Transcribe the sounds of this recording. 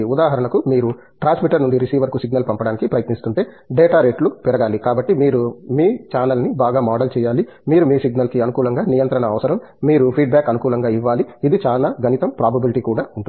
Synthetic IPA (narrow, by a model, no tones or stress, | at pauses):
ud̪aːɦɐɾɐɳɐkumiːɾu | ʈɾaːnsmiʈɐɾnund̪iɾisiːʋɐɾkusiɡ̚nɐlpɐmpɐɽaːnikipɾɐjɐt̪nist̪uɳʈe̞ː | ɖeːʈaːɾeːʈlupɛɾɐɡaːlikaːbɐʈːimiːɾumiːt͡ʃaːnɐlnibaːɡaːmaːɖɐlt͡ʃɛːjaːli | miːɾumiːsiɡnɐlkiɐnukuːlɐŋɡaːnijɐnt̪ɾɐɳɐːʋɐsɐɾɐmːiːɾupʰiːɖ̚baːkɐnukuːlɐŋɡaːiʋːaːliid̪it͡ʃaːlaːɡɐnit̪ɐmpɾaːbɐbiliʈiːkuːɽaːuɳʈu